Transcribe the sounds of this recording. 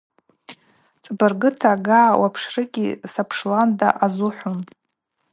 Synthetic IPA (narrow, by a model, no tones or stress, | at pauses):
t͡sʼbɨrɡɨtʰaɡaːwapʰʂrɨɡʲisapʰʂlanda̰ʔazuħʷun